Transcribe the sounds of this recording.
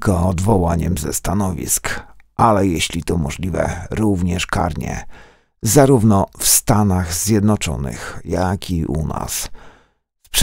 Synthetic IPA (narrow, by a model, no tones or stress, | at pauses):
kɔːd̪vɔwaɲɛmzɛst̪anɔvʲḭskʔalɛjeɕlʲit̪ɔmɔʐlʲivɛ̰ɾuvɲɛʂka̰ɾɲɛ̰ | zaɾuvnɔfst̪anaɣzʲjɛd̪nɔt͡ʂɔ̰nɘ̰xjakʰʲiʔṵna̰s | fpʂ